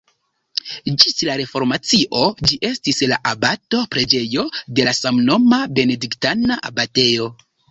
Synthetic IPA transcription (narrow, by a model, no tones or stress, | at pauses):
d͡ʒislaɾe̞fo̞ɾmat͡siʔo̞d͡ʒiʔe̞stislaʔabato̞pɾe̞d͡ʒe̞jo̞de̞lasamno̞mabe̞ne̞diktanaʔa̰bate̞jo̞